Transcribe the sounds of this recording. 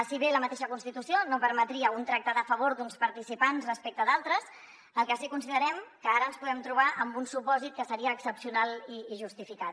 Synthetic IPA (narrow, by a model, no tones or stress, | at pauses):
siβeləmət̪eʃəkunst̪it̪usionopəɾmət̪ɾiəunt̪ɾak̚t̪aðəfəβ̞oɾd̪unspəɾt̪isipansrəspek̚t̪əðalˠt̪ɾəs | əlˠkəsikunsiðəɾɛmkəaɾəənspuðɛmt̪ɾuβ̞aʔəmbunsupɔzit̪̚kəsəɾiəːksəpsiunaliːʒust̪ifikat̪